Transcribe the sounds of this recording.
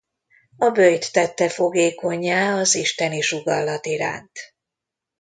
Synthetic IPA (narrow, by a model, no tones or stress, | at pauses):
ɒbøjt̪ːɛt̪ːɛfo̞ɡeːko̞ɲːaːɒziʃt̪ɛniʃuɡɒlːɒt̪iɾa̰ːnt̪